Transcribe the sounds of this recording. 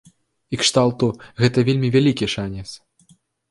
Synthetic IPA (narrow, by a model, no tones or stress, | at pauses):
ikʂt̪alˠt̪uɣɛt̪ɐvʲelʲmʲivʲalʲikʲiʂanʲɛt̪s